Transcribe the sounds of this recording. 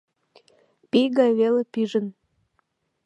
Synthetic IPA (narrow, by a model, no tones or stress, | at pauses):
pijɣɑjβelepyʒən